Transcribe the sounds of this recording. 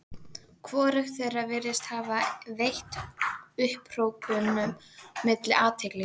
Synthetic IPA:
kʰvɔːɾɪxθejravɛːɾɪst̪haːvavejht̪ʏhpr̥owkʏnːʏmː | ɪt̪lɪʔaːt̪ʰejklɪ

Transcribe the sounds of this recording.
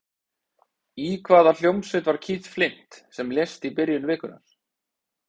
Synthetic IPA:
ikʰvaːðal̥jowmsɪt̪vaɾ̥cʰiːt̪flɪn̥t̪sɛmljest̪ipɪɾjʏnvɪːkʏna̰ɾ̥

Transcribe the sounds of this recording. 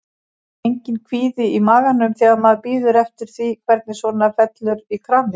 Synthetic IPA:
ejɲcɪnkʰviːðɪimaːɣanʏmθɛːɣaðmaðpiːðʏɾɛft̪ɪɾ̥θvikʰvɛɾt̪nɪsvɔːnafɛt̪lʏɾikʰɾanɪ

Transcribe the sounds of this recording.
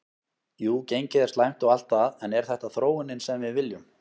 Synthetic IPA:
juːcejɲcɪðɛ̥ɾst̪ajm̥t̪ɔɣal̥t̪aðɛnɛɾ̥θɛht̪aθɾoːwɪnɪnsɛmvɪðvɪljʏm

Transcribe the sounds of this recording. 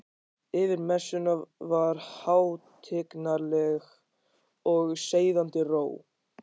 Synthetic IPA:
ɪvɪɾmɛsːʏnavaɾ̥haːwt̪ʰɪknaɾlɛɣ | ɔɣseːjðant̪ɪroːw

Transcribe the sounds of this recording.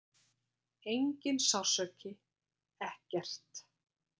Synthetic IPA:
ejɲcɪnsawsœːcɪ | ɛhcɛr̥t̪

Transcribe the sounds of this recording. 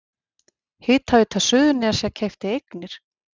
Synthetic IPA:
hɪːt̪havɪt̪ʰasʏðʏnɪaɾ̥sjɛcʰejft̪ɪejknɪɾ̥

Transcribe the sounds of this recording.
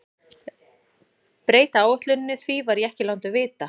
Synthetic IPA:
pɾeːjt̪aaːwʏht̪lʏnnːʏθvivaɾiɛhcɪlawnt̪ʏvɪːt̪a

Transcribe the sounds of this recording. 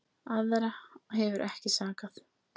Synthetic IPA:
aðɾahɛvʏɾʔɛhcɪsaːkaθ

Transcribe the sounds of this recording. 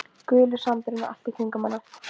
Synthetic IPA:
kʏːlʏsant̪ɪɾɪna̰l̥t̪ɪk̪ʰiŋkʏmanːḁ

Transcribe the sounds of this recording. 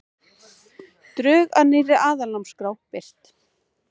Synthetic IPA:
t̪ɾʏːɣanɪrːɪʔaːðalamskɾawpɪr̥t̪

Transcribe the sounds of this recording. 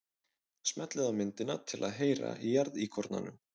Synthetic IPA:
smɛt̪lɪðawmɪnt̪ɪnat̪ʰɪlaðɦeːjɾa̰ijaɾðikʰɔɾt̪na̰nʏm

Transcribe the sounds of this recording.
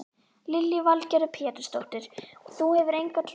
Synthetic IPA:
lɪljʏvalcɛɾʏpʰɛːt̪ʏɾ̥st̪owht̪ɪɾ̥ɔθuhɛvʏɾejŋkat̪ʰ

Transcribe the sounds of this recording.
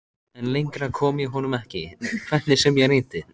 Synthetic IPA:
ɛnlejŋkɾakʰɔːmjɛɦɔnʏmɛhcɪkʰvɛht̪nɪsɛmjɛɣɾeːjt̪ɪ

